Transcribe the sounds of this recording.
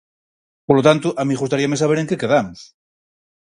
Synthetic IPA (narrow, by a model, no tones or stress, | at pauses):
poɾlot̪ant̪uʔamiɣust̪aɾiamesaβ̞eɾeŋkekeðamos